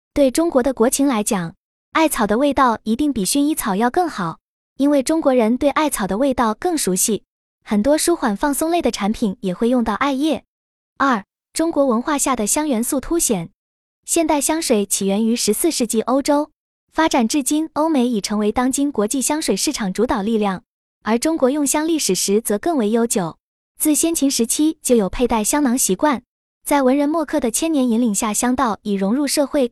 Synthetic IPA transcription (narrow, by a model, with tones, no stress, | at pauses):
t̪we˥˩ɪʈ͡ʂʊ˥ŋkwɔ˧˥d̪ə˧kwɔ˧˥t͡ɕʰi˧˥nla˧˥ɪt͡ɕjɑ˨˩˦ŋ | a˥˩ɪt͡sʰɑ˨˩ʊd̪ə˦we˥˧ɪt̪ɑ˥˩ʊi˧˥t̪i˥˩ŋpi˨˩ɕy˥˧ni˥t͡sʰɑ˨˩ʊjɑ˥˧ʊkɤ˥˩ŋxɑ˨˩˦ʊ | i˥nwe˥˩ɪʈ͡ʂʊ˥ŋkwɔ˧˥ɻə˧˥nt̪we˥˧ɪʔa˥˩ɪt͡sʰɑ˨˩ʊd̪ə˦we˥˧ɪt̪ɑ˥˧ʊkɤ˥˩ŋʂu˧˥ɕi˥˩ | xə˨˩nt̪wɔ˥ʂu˥xwa˨˩nfɑ˥˩ŋsʊ˥˧ŋle˥˩d̪ə˩ʈ͡ʂʰa˧˥npʰi˨˩˦njɛ˨˩xwe˥˧ɪjʊ˥˧ŋt̪ɑ˥˧ʊʔa˥˧ɪjɛ˥˩ | ɐ˞˥˩ | ʈ͡ʂʊ˥ŋkwɔ˧˥wə˧˥nxwa˥˧ɕja˥˩d̪ə˩ɕjɑ˥ŋɥɛ˧˥nsu˥˩t̪ʰu˥ɕjɛ˨˩˦n | ɕjɛ˥˧nt̪a˥˩ɪɕjɑ˥ŋʂwe˨˩ɪt͡ɕʰi˨˩ɥɛ˧˥ny˧˥ʂɻ̩˧˥sɹ̩˥˧ʂɻ̩˥˧t͡ɕi˥˩ʔo˥ʊʈ͡ʂo˥ʊ | fa˥ʈ͡ʂa˨˩nʈ͡ʂɻ̩˥˩t͡ɕi˥no˥ʊme˧˥ɪi˨˩ʈ͡ʂʰɤ˧˥ŋwe˧˥ɪt̪ɑ˥ŋt͡ɕi˥nkwɔ˧˥t͡ɕi˥˩ɕjɑ˥ŋʂwe˨˩ɪʂɻ̩˥˩ʈ͡ʂʰɑ˨˩ŋʈ͡ʂu˧˥t̪ɑ˨˩ʊli˥˧ljɑ˥˩ŋ | ə˞˧˥ʈ͡ʂʊ˥ŋkwɔ˧˥jʊ˥˩ŋɕjɑ˥ŋli˥˩ʂɻ̩˨˩ʂɻ̩˧˥t͡sɤ˧˥kɤ˥˩ŋwe˧˥ɪjo˥ʊt͡ɕjo˨˩ʊ | t͡sɹ̩˥˩ɕjɛ˥nt͡ɕʰi˧˥ŋʂɻ̩˧˥t͡ɕʰi˥t͡ɕjo˥˩ʊjo˨˩pʰe˥˧ɪt̪a˥˩ɪɕjɑ˥ŋnɑ˧˥ŋɕi˧˥kwa˥˩n | t͡sa˥˩ɪwə˧˥nɻə˧˥nmwɔ˥˧kʰɤ˥˩d̪ə˩t͡ɕʰjɛ˥njɛ˧˥ni˧˥nli˨˩ŋɕja˥˩ɕjɑ˥ŋt̪ɑ˥˩ʊi˨˩ɻʊ˧˥ŋɻu˥˧ʂɤ˥˧xwe˥˩ɪ